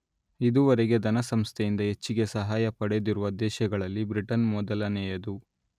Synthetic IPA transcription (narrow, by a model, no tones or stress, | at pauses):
id̪uʋɐɾɛɡe̞d̪ɐnɐsɐmst̪ʰejind̪ɐɦe̞t͡ʃːiɡe̞sɐɦaːjɐpɐɽed̪iɾuʋɐd̪ɛːʃɐɡɐɭɐlːibɾiʈɐnmɔd̪ɐlɐnɛːjɐd̪u